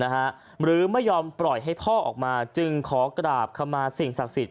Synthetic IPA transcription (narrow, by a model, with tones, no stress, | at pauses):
na˦˥kʰa˦˥ʔ | ɾɯː˨˩˦ma˥˩jːɔː˧mpɾɔ˨˩jɦa˥˩jpʰɔː˥˩ʔɔ̰ː˨˩k̚maː˧t͡ɕɯ˧ŋkʰɔː˩˦kɾaː˨˩p̚kʰa˧mːaː˧si˨˩ŋsa˨˩k̚si˨˩t̪̚